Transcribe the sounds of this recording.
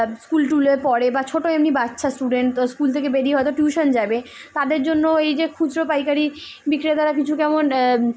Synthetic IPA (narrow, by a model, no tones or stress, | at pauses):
skulʈuleɾpɔɽebat͡ɕʰoʈoemnibatːʃʰasʈuɖeɳʈskult̪ʰekebeɖiɦɔet̪oʈjuʃond͡ʑabe | t̪ad̪eɾd͡ʑonːoejd͡ʑekʰud͡ʑɾopajkaɾi | bikɾet̪aɾakit͡ɕʰukɛmon